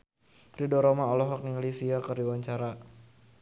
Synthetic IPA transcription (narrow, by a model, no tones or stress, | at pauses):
pɾidɔɾɔmaɔlɔɦɔkniŋlisiakərdiwaɲt͡ʃaɾa